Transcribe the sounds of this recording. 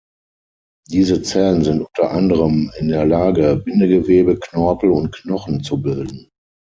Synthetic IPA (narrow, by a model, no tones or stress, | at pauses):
d̥iːzət͡sɛlənzɪntʔʊntɐʔandəʁəmɪndeːɐlaːɡəbɪnəɡəveːbəknɔɐpl̩ʊnt̚knɔχn̩t͡subɪldn̩